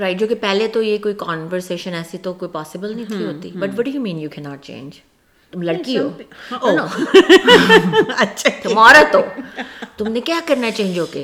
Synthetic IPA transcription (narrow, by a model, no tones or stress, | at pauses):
ɾaɪʈ̚d͡ʒoːkepɛɦlet̪ojekoːikɔːnʋəɾseːʃə̃nɛːsit̪okoːipɔːsɪbəlnɐĩt̪ʰiɦoːt̪ibɐʈʋɔɖijuːmĩːnjuːkʰɛnɔːʈ̚t͡ʃḛ̃ːnd͡ʒ | t̪ʊmlɐɽkiɦoːonoː | ɐʃʰt̪ʊmɔːɾat̪o | t̪ʊmnekjaːkɐɾnat͡ʃẽːĩnd͡ʒoːke